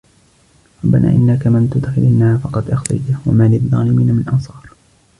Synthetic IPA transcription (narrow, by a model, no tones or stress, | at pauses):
ɾˤɑbːanʔa̰ːʔɪnːakamɪnt̪ʊd̪xɪlʔɪnːahaːfɑqɑd̪ʔɑxt̪a̰jt̪awa̰maːlɪðˤːɑːlɪmiːnamɪnnʔɑnsˤɑːɾˤ